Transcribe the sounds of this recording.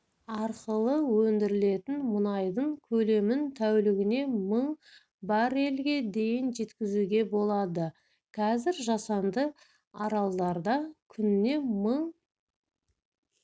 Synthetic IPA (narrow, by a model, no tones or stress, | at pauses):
ɑɾqəlˠəwɵnd̪ɪɾɪle̞t̪ɪnmʊnɑjd̪əɴkʲʰɵle̞mɪnt̪ʰæwlɪɡʲɪne̞məɴ | bɑɾe̞lɡʲe̞d̪e̞jɪnʒe̞t̪kʲɪzuɡʲe̞bo̞lˠɑd̪ə | qʰɑzɪɾʒɑsɑnd̪ə | ɑɾɑlˠd̪ɑɾd̪ɑkʲʰʏnɪne̞məɴ